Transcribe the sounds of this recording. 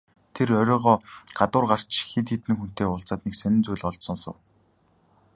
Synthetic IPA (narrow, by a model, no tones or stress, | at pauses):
t̪ʰerœɾʲɔːʁɔːɢat̪ʊːrɢar̥t͡ɕxit̪iːt̪ɘ̆ŋxun̥t̪eːʊɬt͡saːt̪̚neksœnʲɪ̆nt͡sujɮɔɮt̪sɞ̆nsɞ̰̆w